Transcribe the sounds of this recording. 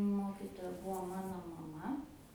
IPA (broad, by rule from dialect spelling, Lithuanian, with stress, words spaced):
ˈmoːkʲɪtoːjɛ ˈbuɔ ˈmɑːnoː mɐˈmɐ